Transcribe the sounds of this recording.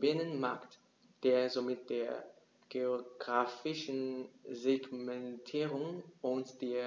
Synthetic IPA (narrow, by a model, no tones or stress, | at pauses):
b̥ɪnənma̰kt | d̥eːɐzoːmɪt̚d̥eːɐ | ɡ̥eoɡ̥ʁaːfɪʃn̩zeɡmɛntʰiːʁʊŋʊntd̥eːɐ